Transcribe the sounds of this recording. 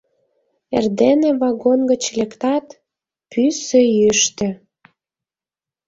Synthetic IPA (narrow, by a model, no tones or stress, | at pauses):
ḛrd̪eneβɑɡonɡə̆t͡ɕlʲekt̪ɑt̪ | pysøjyʃt̪ø̆